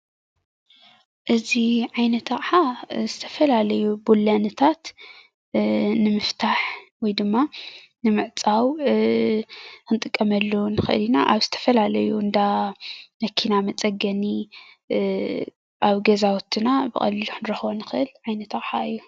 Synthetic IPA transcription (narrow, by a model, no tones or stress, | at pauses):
ʔɨziʕajnɐt̪ʰɐχʼħazɨt̪ʰɐ̥fɐlalɐjubulːɐnɨt̪ʰat̪ | nɨmɨft̪ʰaħwɔjd̪ɨmːa | nɨmɨʕt͡sʼaw | kɨnt̪ʼɨkʼːɐmɐlːunɨxɨ̰ʔɨ̰linaʔaβzɨt̪ʰɐ̥fɐlalɐjuɨnd̪amɐkʰinamɐt͡sʼɐɡɐni | ʔaβɡɐzawɔt̪ʰːɨnabɨxʼɐ̰lːiluħɨnɨɾɐxβonɨxɨʔɨlʕajnɐt̪ɐχʼħaɨjːu